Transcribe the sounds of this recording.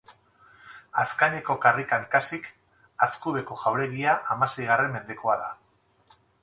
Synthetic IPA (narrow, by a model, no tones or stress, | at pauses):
askaɲeko̞karikaŋkasik | askuβe̞ko̞ʝawɾe̞ɣiaʔamase̞jɣare̞mːe̞nd̪e̞ko̞aða